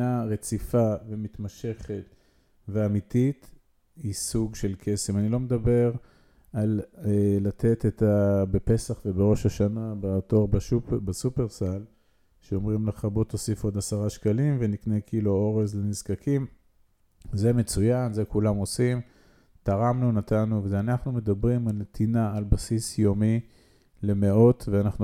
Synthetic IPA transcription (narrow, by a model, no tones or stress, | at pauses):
aʁe̞t͡sifavemit̪maʃe̞χe̞t̪ | veamit̪it̪ | hisuɡʃe̞lkʰe̞semanilo̞med̪abe̞ʁ | alelat̪ʰe̞t̪et̪abepe̞saχve̞beʁo̞ʃaʃanabeato̞ʁbbesupeʁsal | ʃeo̞mʁimleχabo̞t̪o̞sifo̞d̪asaʁaʃkalimvenikne̞kiːluo̞ʁezlenizkakʰim | zeme̞t͡sujanze̞kulamo̞sim | t̪aʁamnunat̪anuvezeanaχnume̞d̪abʁimalnet̪ʰinaalbasisjo̞mi | le̞me̞o̞t̪veanaχnu